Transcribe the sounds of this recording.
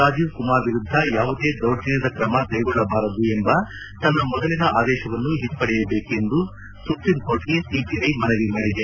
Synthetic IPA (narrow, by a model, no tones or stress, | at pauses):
ɾaːd͡ʒiːʋkumaːɾʋiɾud̪ʱːɐjaːʋud̪e̞ːd̪ɐwʈinɐd̪ɐkɾɐmɐkɐjɡɔɭːɐbaːɾɐd̪ue̞mbɐ | t̪ɐnːɐmɔd̪ɐlinɐaːd̪ɛːʃɐʋɐnːuɦit̪ːpɐɽɛjɐbe̞ːke̞nd̪u | supɾimko̞ːɾʈɡesiːpiɐjmɐnɐʋimɐɽɛd̪e